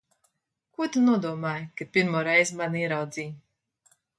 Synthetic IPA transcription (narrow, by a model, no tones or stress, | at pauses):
kuɔt̪anuɔd̪uɔmaːjkapʲiɾmuːɾɛjzmaniɛɾawd̪ziː